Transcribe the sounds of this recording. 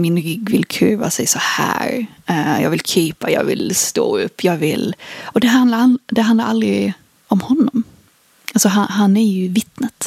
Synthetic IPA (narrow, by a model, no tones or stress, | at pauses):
mɪnɾɪɡːvɪlkʰʉːva̰sɛjsɔhæ̰ːɾ | ɛjɑːɡvɪlkʰiːpajɑ̰ːɡvɪ̰lst̪o̰ːɵpːjɑːɡvɪlɔd̪ɛɦand̪laɾad̪ɛand̪aɾald̪ɾɪ | ɔmhɔnːɔm | ʔalsɔɦanɦanːæɾjɵvɪt̪ːnət̪